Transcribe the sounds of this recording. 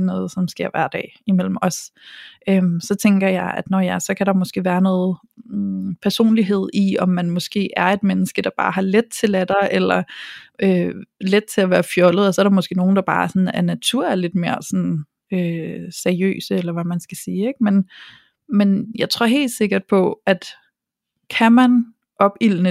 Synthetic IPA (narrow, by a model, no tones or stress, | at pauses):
nɔ̽ːð̞̩ˠsɒ̽msɡ̥eɐʋæ̰ɐ̰d̥ɛ̰ːimel̰m̩ɒ̽sʔømsɒ̽t͡sʰeŋɡ̥ɐjɑ̈ɪʔæd̥nɒjɑsɒ̽kʰæɾ̥ɑ̈mɒsɡ̥e̝̰ːʋæːɐnɔːð̞̩ˠ | pʰæɐso̝̰ːnliɦe̝ð̰ˠiɒ̽mːænmɒ̽sɡ̥e̝̰ːʔæɐe̝d̥menəsɡ̥əd̥ɑ̈b̥ɑ̰̈ːɦɑ̈led̥̚t͡sʰe̝læd̥ɑʔelɐøled̥̚t͡sʰe̝æʋæːɐfjɒ̽ləð̩ˠɒsɒ̽ɐɾ̥ɑ̈mɒ̽sɡ̥e̝̰ːno̝ːn̩d̥ɑ̈b̥ɑ̈ːsɒ̽næɐnæt͡sʰuɐ̰æɐle̝d̥̚me̝ːɐsɒɔ̽n | øsæɐiø̰ːsəelɐʋæmænsɡ̥æsiːeɡ̥̚men | menjɑ̈ɪt͡sʰʁo̝ɐ̰ɦe̝̰ːld̥se̝ɡ̥ɐd̥̚pʰɒ̽æd̥ | kʰæmæn | ʔɒ̽b̥ilnə